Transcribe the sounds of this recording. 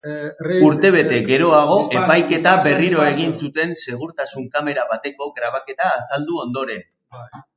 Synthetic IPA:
uɾt̪e̞β̞e̞t̪e̞ɡe̞ɾo̞aɣ̞o̞epajke̞t̪aβe̞riɾo̞eɣ̞insut̪e̞nseɣ̞uɾt̪asuŋkame̞ɾaβat̪e̞ko̞ɣɾaβ̞ake̞t̪aːsald̪uo̞nd̪o̞ɾe̞n

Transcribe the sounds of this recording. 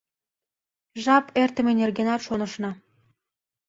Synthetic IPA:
ʒɑpert̪ə̆menʲerɡenɑt̪ʃonə̆ʃnɑ̆

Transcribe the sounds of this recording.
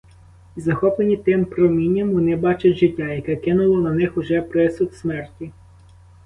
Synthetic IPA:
izɐxɔplˠenʲit̪ɪmpɾɔmʲinʲːɐmʋɔnɪbɑt͡ʃɐtʲʒɪtʲːɑjɐkɛkɪnʊlˠɔnɐnɪxʊʒɛpɾɪsʊt̪smɛrtʲi

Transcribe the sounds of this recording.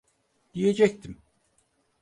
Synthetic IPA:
d̪̥ije̞d͡ʒɛct̪ʰim

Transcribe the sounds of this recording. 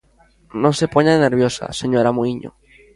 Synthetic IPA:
nõsepoɲaðeneɾβ̞josa̰seɲoɾamuiɲo̰

